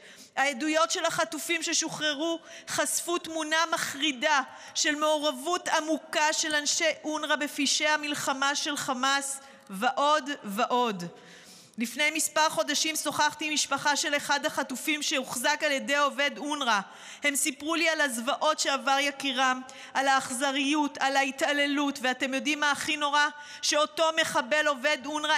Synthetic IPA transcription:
hajedujo̞tʃe̞laχatufimʃe̞ʃoχʁe̞ʁuχasfutmunamaχʁida | ʃe̞lme̞oʁavutamukaʃe̞lanʃe̞ʔunʁabe̞fiʃehamilχamaʃe̞lχamas | veʔo̞dveʔo̞d | lifne̞jmispaʁχo̞daʃimso̞χaχtimiʃpaχaʃe̞le̞χadhaχatufimʃeuχzakalje̞de̞jo̞ve̞d̪unʁa | he̞msipʁulialazvaʔo̞tʃe̞avaʁjakiʁam | alaːχzaʁijutalaitale̞lutveate̞mjo̞dimːaχino̞ʁa | ʃe̞o̞to̞me̞χabe̞lo̞ve̞dunʁa

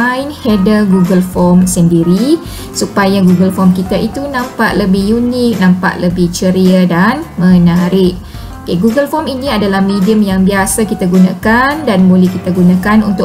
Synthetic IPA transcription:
ajnhɛdəɡuɡəlfɔmsəndiɾi | supajaɡuɡəlfɔmkit̪aʔit̪unãmpa̰ʔləbɪhjunɪk̚nãmpa̰ʔləbɪht͡ʃəɾiadanmə̃naɾɪʔ̚ | okeɡuɡəlfɔminĩadalahmediəmjaŋbiasakit̪aɡunakandanbolɛhkit̪aɡunãkanunt̪ʊ

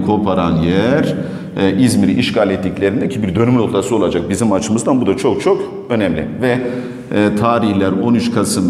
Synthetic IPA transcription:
kʰo̞pʰaɾanjæɾ | ʔizmiɾiʔiʃɡalʲɛt̪ːiclʲe̞ɾind̪ɛcʰibiɾd̪ø̞nymyno̞kt̪ʰasɯo̞lˠad͡ʒak̚bizimat͡ʃʰɯmɯzd̪anbud̪at͡ʃʰo̞k̚t͡ʃʰo̞k | ø̞nɛmlʲḭvɛ | t̪ʰaːɾiçlʲæɾo̞nyt͡ʃkʰasɯm

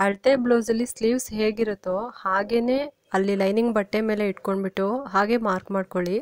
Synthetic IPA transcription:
ɐɭt̪eːbloːzɐlːisliːʋsɦeːɡiɾot̪ːohaːɡe̞neː | ɐlːilɐjniŋɡbɐʈːeme̞ːle̞iʈkoɳɖbiʈːuɦaːɡe̞ːmaːɾkmaːɖ̚koɭi

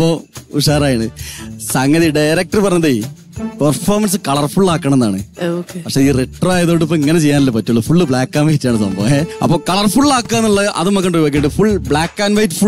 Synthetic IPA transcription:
ɐpːouʂaːɾaːjɐɳɨsɐŋɡɐðiɖɐjɾɐk̚tɐrɨpɐrɐɲːɐðei | pɐrfoːrmɐns̬ɨkɐɭɐrfuɭːaːkːɐɳɐmend̪aːɳɨ̰okepɐkʂe̞ːiːreʈːɐraːjɐðoːɽipːoːiŋːɐnet͡ɕe̞jːaːnilːɐpɐtːuɭːɐfuɭːɨbɭaːkːaːnʋɐit͡ɕːaːɳɨsɐ̰mbo̰eɐ̰pːoːkɐɭɐrfuɭːaːkːaːnːuɭːɐʔɐ̰ðɨmɐkːɐɳɖojʋaːk̬ːieːɳɖɨfuɭbɭaːkːaːnʋɐjtːɨfu

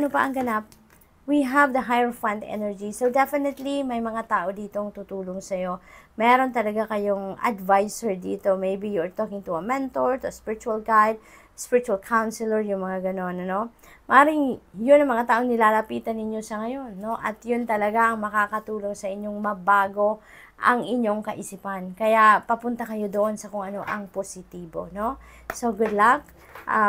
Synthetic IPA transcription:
ʔɐnopɐʔɐŋɡɐnap̚ | wiɦɐvd̪ɐɦajɛɹfand̪ʔɛ̰nɛɹd͡ʒisowd̪ɛfɪnɛt̪limɐjmɐŋat̪aːʔo̞d̪iːt̪oɐŋt̪ut̪uːlo̞ŋsɐjo̞mɛːɾo̞nt̪ɐlɐɡakɐjoŋɐ̰d̪vajsɛɹd̪ḭːt̪o̞mejbijʊɹt̪oːkɪŋt̪ʊɐmɛnt̪oɹt̪ʊspɪɹɪt͡ʃuɐlɡajd̪̚ | spɪɹɪt͡ʃuɐlkʰawnsɪlɛɹjʊŋmɐŋaɡɐno̞nɐno̞ | mɐʔaːɾɪŋjʊnːɐŋmɐŋat̪aːʔo̞ŋnɪlaːlɐpiːt̪ɐnːɪɲjo̞sɐŋɐjo̞nːo̞ʔɐt̪jʊnt̪ɐlɐɡaʔɐŋmɐkaːkɐt̪uːlo̞ŋsɐʔɪɲo̞ŋmɐbaːɡo̞ | ʔɐŋɪɲːo̞ŋkɐʔɪsipɐnkɐjapɐpʊnt̪ɐkɐjo̞d̪oʔo̞nsɐkoŋʔɐno̞ʔɐŋposɪt̪iːbo̞̰no̞ | soɡʊd̪lak̚ | ʔa

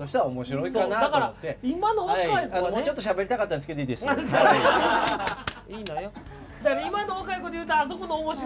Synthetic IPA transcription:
soɕi̥t̪aβaomo̞ɕiɾo̞ikanatd̪akaɾat̪ːeimano̞βaaianomo̞ːt͡ɕo̞t̪ːoɕabe̞ɾʲit̪akat̪ːansɨ̥ked̪eiːd̪es | iːnojo | d̪akaɾaimanoβakaiko̞d̪ejɯ̟ːt̪oas̬o̞konoːmoɕi

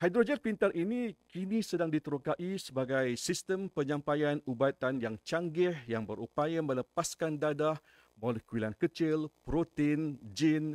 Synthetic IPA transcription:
hajd̪ɾod͡ʒənpint̪aɾʔinikinisədaŋdit̪əɾokaʔisəbaɡajsist̪əmpəɲãmpajanubat̪anjaŋt͡ʃaŋɡɪhjaŋbəɾupajamə̃ləpaskandadah | molɛhkuwilankət͡ʃɪlpɾot̪end͡ʒin

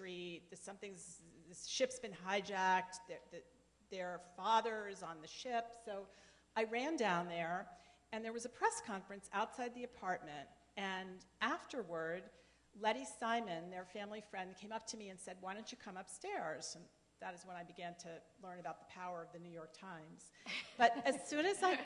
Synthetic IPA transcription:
ɹit̚ðɨsʌ̃mθɪ̃ŋzðɨʃɪpsb̥ɨ̃nɦaɪd͡ʒæk̚tðə˞ðɨ | ðə˞fɑðə˞zn̩ðɨʃɪpsoʊ | ʔaɪɹæ̃ndãʊ̃nðə˞ | ɨ̃nðə˞wʌzɨpʰɹ̥ɛskʰɑ̃ɱfɹɨ̃nsaʊtsaɪd̪̚ðiɨpʰɑɹt̚mɨ̃nt | ɨ̃nʔæftə˞wə˞d | lɛɾisãɪ̃mɨ̃nðə˞fæ̃mlifɹɛ̃nd̚kʰẽɪ̃mʌp̚tʰɨmiɨ̃nsɛd̚waɪɾɨ̃t͡ʃɨkʰʌ̃mʌpstɛɹz̥̃n | ðɨɾɨzwə̃ñaɪbɨɡæ̃ntʰɨlɜ̃˞nɨbaʊt̪̚ðəpʰaʊə˞ʌvðɨnʉjɔɹk̚tʰãɪ̃mz̥b̥ʌɾɨzz̥sʉ̃nɨzaɪ

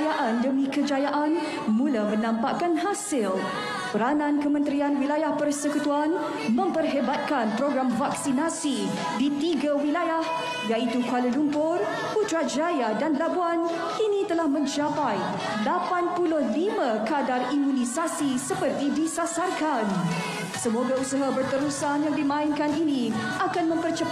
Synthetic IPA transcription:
jaʔandəmĩkəd͡ʒajaʔan | mulamə̃nãmpaʔkanɦasɪl | pəɾanãnkəmə̃nt̪ɾianwilajahpərsəkut̪uan | mə̃mpərɦebat̪̚kanpɾoɡɾamvaksinasi | dit̪iɡawilajah | jait̪ukaləlumpʊr | put̪ɾad͡ʒajadanlabuan | init̪əlahmə̃ɲt͡ʃapaj | lapanpulʊhlimãkadarimũnĩsasisəpərt̪idisasarkan | səmoɡausəɦabərt̪əɾusanjaŋdimãɪnkanini | akanmə̃mpərt͡ʃə

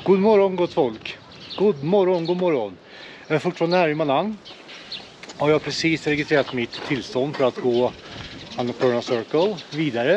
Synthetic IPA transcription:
ɡ̥uːd̪mɔɾɔnɡɔt̪fɔlk | ɡ̥ud̪mɔɾɔnɡuːd̪mɔɾɔn | jɑːæɾfʊʈfɑnd̪əhæːɾɪmananː | haɾjɑːhapʰɾɛsiːsɾɛɡɪst̪ɾeːɾat̪mɪt̪ʰːɪlst̪ɔnd̪fœɾat̪ɡoː | anːapʰœːɳasœɾkəlviːd̪aɾə

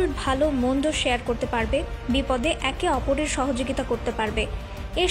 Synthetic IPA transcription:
lbʱalomond̪oʃejaɾkoɾt̪epaɾbe | bipɔd̪eʔɛkeɔpoɾeɾʃɔɦod͡ʑoɡit̪akoɾt̪epaɾbe | e

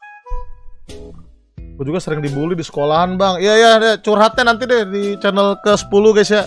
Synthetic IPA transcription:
kud͡ʒuɡasəɾɪŋdibulidisə̥kolaɦanbaŋijajaat͡ʃurɦat̪̚ɲanant̪̬idɛhdit͡ʃənəlkəsə̥puluɡajsja

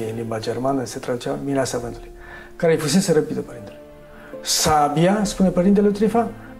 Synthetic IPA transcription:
ɨnlimbad͡ʒe̞rmanəse̞t̪ɾad̪ut͡ʃamiɾeasavɨnt̪uluj | kaɾejfus̬e̞seɾəpid̪əpəɾint̪ele | sabijaspune̞pəɾint̪̬elet̪ɾifa

